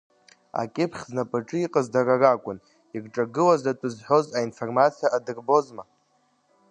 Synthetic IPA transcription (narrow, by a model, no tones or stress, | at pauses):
a̰kʲʼɪpʰχʲznapʼaʈ͡ʂʼɨiqʼazdararakʷʼʊn | irʈ͡ʂʼaɡɨlazatʼɨzħʷo̞zainfo̞rmat͡sʰʼijaʔadɨrbo̞zma